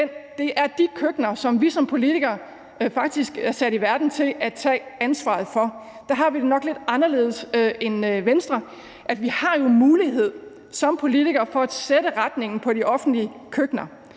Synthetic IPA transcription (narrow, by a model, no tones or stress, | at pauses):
end̥e̝ʔæɐd̥ikʰøɡ̥nɐsɒ̽mʋisɒ̽mpʰo̝lit͡sʰiɡ̥ɐː | fɑ̈ɡ̥̚d̥isɡ̥æɐsæɾ̥iʋæɐd̥n̩t͡sʰe̝læ̥t͡sʰɛ̰ːænsʋɑ̰̈ð̞̩ˠfɒ̽ | d̥æɦɑ̈ʋide̝nɒ̽ɡ̥le̝d̥ɑ̈nɐle̝̰ːðˠse̝nʋensd̥ʁɐ | ʔæd̥ʋihɑ̈jo̝muːliɦe̝ð̞̰ˠ | sɒ̽mpʰo̝lit͡sʰiɡ̥ɐːfɒ̽æd̥seɾ̥əʁad̥ne̝ŋ̰n̩pʰɒ̽ɾ̥iʔɒ̽fn̩dliəkʰøɡ̥nɐ